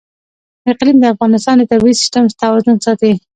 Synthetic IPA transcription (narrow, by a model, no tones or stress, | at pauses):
ɪqlimd̪əafɣɑnɪst̪ɑnd̪ət̪aɾwiisɪ̥sʈamst̪awɑzʊnsɑt̪i